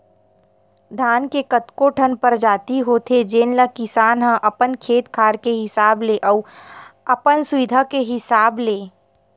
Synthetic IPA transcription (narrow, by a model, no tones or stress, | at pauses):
d̪ʱaːnkekət̪koʈʰənpəɾd͡ʒaːt̪iɦoːt̪ʰed͡ʒeːnləkɪsaːnɦə̃ʔɐpənkʰeːt̪kʰaːɾkeɦɪsaːbleʔəːɐpənsʊʋɪd̪ʱakeɦɪsaːbleː